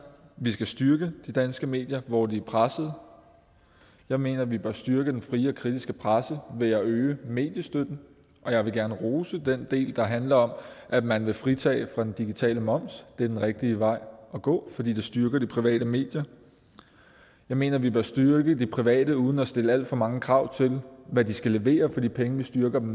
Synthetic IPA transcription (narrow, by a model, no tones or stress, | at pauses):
ʋisɡ̥æsd̥ɶɐɡ̥əd̥id̥ænsɡ̥əme̝̰ːd̥jɐʋɒd̥iæpʰʁasð̞̩ˠ | jɑ̈ɪme̝̰ːnɐʋib̥ɶɐsd̥yɐɡ̥əd̥enfʁiːɒ̽kʰʁid̥isɡ̥əpʰʁasəʋe̝æøːəme̝̰ːd̥jəsd̥ød̥n̩ | ʔɒ̽jɑɪʋe̝ɡ̥æɐnəʁoːsəd̥end̥e̝̰ːld̥ɑ̈ɦænlɐɒ̽mʔæmænʋe̝fʁit͡sʰɛ̰ːfʁɑ̈d̥end̥iɡ̥it͡sʰɛ̰ːləmɒ̽m̰sd̥e̝ɐd̥enʁeɡ̥̚d̥iəʋɑ̈ɪ̰ʔɒ̽ɡ̥ɔ̰̽ːfɒ̽d̥ḭːd̥esd̥yɐɡ̥ɐd̥ipʰʁiʋɛ̰ːɾ̥əme̝̰ːd̥jɐ | jɑ̈ɪme̝̰ːnɐʋib̥ɶɐsd̥yɐɡ̥əd̥ipʰʁiʋɛ̰ːd̥əuːð̞ˠn̩ɒsd̥e̝ləæl̰d̥fɒ̽mɑ̈ŋəkʰʁɑ̈ʊ̰t͡sʰe̝lʋædisɡ̥æle̝ʋe̝̰ːɐfɒd̥ḭːpʰeŋəʋisd̥ɶɐɡ̥ɐd̥em̩